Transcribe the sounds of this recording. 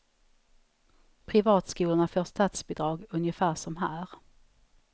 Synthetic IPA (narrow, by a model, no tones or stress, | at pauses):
pʰɾɪvɑːt̪skuːlʊɳafoːʂt̪ɑːt̪sbɪːd̪ɾɑːɡɵnjəfæːʂɔmɦæːɾ